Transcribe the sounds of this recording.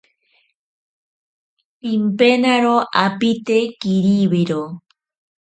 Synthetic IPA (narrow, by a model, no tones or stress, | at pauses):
pimpenaɾoapit̪ekiɾiwiɾo